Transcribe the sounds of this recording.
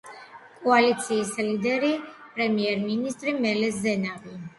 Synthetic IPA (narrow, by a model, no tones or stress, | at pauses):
kʼɔalit̪sʰiːslid̪ɛɾipʼɾɛmiɛɾminist̪ʼɾimɛlɛsːɛnavi